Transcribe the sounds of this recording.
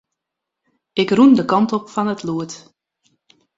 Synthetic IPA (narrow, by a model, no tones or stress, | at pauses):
ɪkrundəkɑntɔpfɔnətʰluət